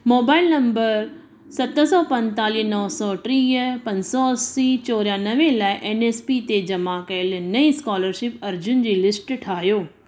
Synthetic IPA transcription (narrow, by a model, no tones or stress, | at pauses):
moːbaːɪlnɐmbəɾ | sɐt̪sɔːpɐ̃ɲt̪aːliɦnɔːsɔʈɾiːɦpɐ̃ɲsɔsit͡ɕoːɾjãnɐʋẽlaːiʔeːneːspiːt̪ed͡ʑɐmakɐɪlnɐiskɔːləɾʃɪpɐɾd͡ʑʊnd͡ʑiːlɪsʈʈʰaːjoː